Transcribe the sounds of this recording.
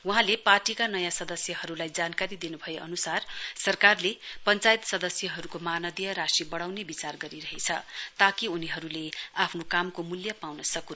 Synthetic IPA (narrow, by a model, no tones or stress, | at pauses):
wʌɦãleparʈikanʌjãsʌd̪ʌsjʌhʌɾulajd͡zankaɾid̪inubʱʌjeʌnusarsʌrkarlepʌnt͡sajt̪sʌd̪ʌsjʌɦʌɾukomanʌd̪ijʌɾasibʌɽawnebit͡sarɡʌɾiɾʌɦet͡sʰʌ̰t̪akiuniɦʌɾuleapʰnokamkomuljʌpawnʌsʌkun